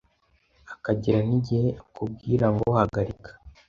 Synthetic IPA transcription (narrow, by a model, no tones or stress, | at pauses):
akaɟeɾaniɟiheʔakub̚ɡiːɾaŋɡohaɡaɾikʰḁ